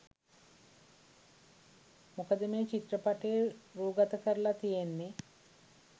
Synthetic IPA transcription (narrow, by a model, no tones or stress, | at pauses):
mukɐd̪ɐmeːt͡ʃit̪ɾɐpɐʈeːɾuːɡɐt̪ɐkɐɾlɐt̪ijenːi